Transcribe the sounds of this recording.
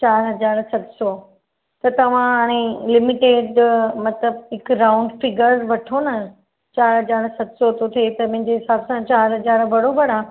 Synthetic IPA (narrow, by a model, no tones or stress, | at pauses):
t͡ɕaːɾɦɐd͡ʑaːɾsɐt̪sɔ | t̪ɐt̪ɐʋ̤ãaɽ̃ẽlɪmɪʈeːɖmɐt̪ləbɪkɾaʊ̃ɳɖfɪɡəɾzʋɐʈʰonɐ | t͡ɕaːɾɦɐd͡ʑaːɾsɐt̪sɔt̪ʰot̪ʰet̪ɐmɐ̃ɦɪ̃ɲd͡ʑeɦɪsaːbsãt͡ɕaːɾɦɐd͡ʑaːɾbɐɽobɐɽãː